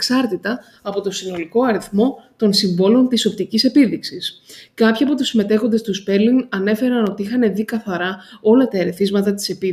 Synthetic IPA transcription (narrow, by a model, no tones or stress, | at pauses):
ksɐɾt̪it̪ɐː | po̞t̪o̞sino̞liko̞ɐɾiθmo̞t̪o̞nsiɱvo̞lo̞nt̪iso̞p̚t̪icise̞piðiksiskɐpçiɐpo̞t̪usime̞t̪e̞xo̞nd̪est̪uspe̞ɾliŋɡɐne̞fe̞ɾɐno̞t̪iixɐne̞ðikɐθɐɾɐo̞lɐt̪ɐe̞ɾe̞θizmɐt̪ɐt̪i̥se̞pi